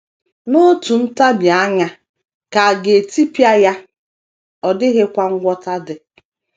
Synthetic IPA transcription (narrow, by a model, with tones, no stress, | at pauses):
nʊ˦tu˨n̩˦ta˦bja˨a˦ɲa˦ | ka˨a˨ɡe˨e˨ti˦pi˦a˦ja˦ | ɔ˨dɪ˦ɣɪ˦kʷa˦ŋ̩˦ɡʷɔ˦ta˦dɪ˨